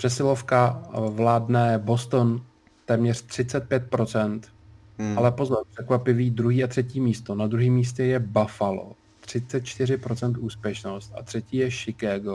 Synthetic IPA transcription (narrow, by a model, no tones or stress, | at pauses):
pr̥ɛsɪlo̞fkavlaːdnɛbo̞st̪on | t̪ɛːmɲɛr̝̥t̪r̝̥ɪt͡sɛt̪̚pjɛt̪̚pɾo̞t͡sɛnt̪ | ʔalɛpo̞zɛmpr̥ɛkvapɪviːd̪ɾuɦiːat̪r̥ɛciːmiːst̪o̞nad̪ɾuɦiːmːiːs̬cɛjɛbafalo̰ | t̪r̝̥ɪt͡sɛt̪̚t͡ʃt̪ɪrɪpɾo̞t͡sɛnt̪ʔuːspjɛʃno̞st̪̚a̰t̪r̥ɛciːjɛʃɪkaːɡo